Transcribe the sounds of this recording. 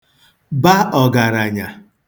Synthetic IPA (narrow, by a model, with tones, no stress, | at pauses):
ba˦ɔ˨ɡa˨ɾa˨ɲa˨